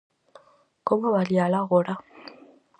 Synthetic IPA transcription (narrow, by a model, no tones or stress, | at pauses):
koβaβaljalaɣola